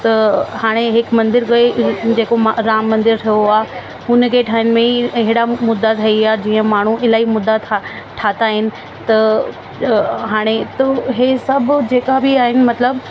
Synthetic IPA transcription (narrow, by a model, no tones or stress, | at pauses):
t̪ɐhaːɽ̃eɦɪkmɐ̃nd̪ɪɾkɐed͡ʑeːkomɾaːmːɐ̃nd̪ɪɾt̪ʰɐjoaː | ʊnəkʰeʈʰaːɪnɪ̆mẽiɪɦɪɽamʊd̪ːat̪ʰɐiaːd͡ʑiːə̃maːɳ̤uʔɪlaːɦimʊd̪ːat̪ʰ | ʈʰaːt̪aːɦɪnɪ̆ | t̪ɐ | ɦaːɽ̃et̪ɐɦesɐbʱʊd͡ʑeːkabiaːɦɪnɪ̆mɐt̪ləb